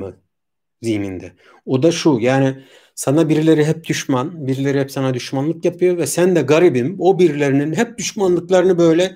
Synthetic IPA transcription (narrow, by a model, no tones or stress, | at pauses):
ɯ | zijmind̪ɛ | o̞d̪aʃujaːnɪ | sanabiɾilʲe̞ɾiɦɛp̚d̪̥yʃmanbiɾilʲe̞ɾihɛpsanad̪yʃmanlˠɯkjapʰɯjovɛsænd̪ɛɡaɾibimo̞biɾilʲeɾininɦɛp̚d̪̥yʃmanlˠɯklˠaɾɯnɯbø̞jlʲɛ